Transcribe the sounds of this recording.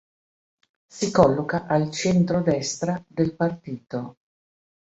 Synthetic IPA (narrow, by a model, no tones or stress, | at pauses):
sikɔlːokaʔalt͡ʃɛnt̪ɾod̪ɛst̪ɾad̪elpart̪iːt̪o